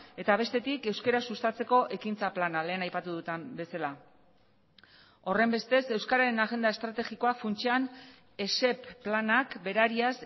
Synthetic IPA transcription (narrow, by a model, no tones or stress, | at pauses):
e̞t̪aβ̞e̞st̪e̞t̪ike̞wske̞ɾasust̪at͡se̞ko̞ʔe̞kint͡saplanale̞ːnajpat̪uðut̪embe̞sala | o̞re̞mbe̞st̪e̞se̞wskaɾaɾe̞naɣe̞nd̪ae̞st̪ɾat̪e̞ɣiko̞afunt͡ʃean | e̞se̞pːlanakbe̞ɾaɾias